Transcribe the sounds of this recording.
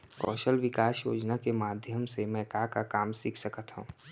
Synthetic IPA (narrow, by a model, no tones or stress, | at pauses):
kɔ̰ːʃəlʋɪkaːsjo̰ːd͡ʒnakemaːd̪ʱjəmsemɛ̃ːkakakaːmsikʰsəkət̪ɦṵ̃ː